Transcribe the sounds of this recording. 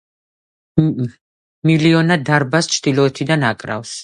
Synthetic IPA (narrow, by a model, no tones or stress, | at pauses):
miliɔnad̪aɾbast͡ʃʰd̪̥ilˠɔɛt̪ʰid̪anakʼɾa̰fs